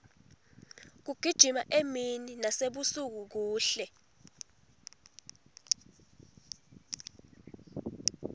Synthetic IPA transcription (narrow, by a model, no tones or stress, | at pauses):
k̬uɡ̥ʱid̥ʒ̥ʱima̰ʔemininaseɓusuk̬uk̬uːɬɛ